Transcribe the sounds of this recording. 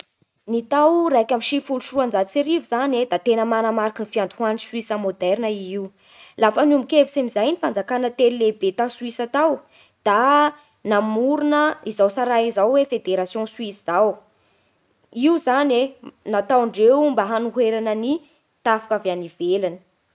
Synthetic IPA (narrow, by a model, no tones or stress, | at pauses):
nit̪awrajkʲaminʃifuluʃuruand͡zat͡siɾivuzaned̪at̪enəmanəmaɾakinifiand̪uɦaniswisəmod̪ɛɾnəiiw | lafənumbikevisemizajnifand͡zakanət̪elilebet̪asuisat̪aw | d̪̥a | namuɾunəizawsaɾaizawwefed̪eɾasjõsuisizaw | iuzanenat̪awɳɖ͡ʐewumbəɦanuɦweɾanəni | t̪afḁkaveanivelanə̥